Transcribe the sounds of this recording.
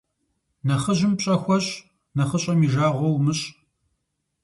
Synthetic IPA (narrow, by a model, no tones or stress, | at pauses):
nɐχəʑɪmpɕʼɐxʷɔɕʼ | nɐχəɕʼɐmiːʒaːʁʷɔwmɨɕʼ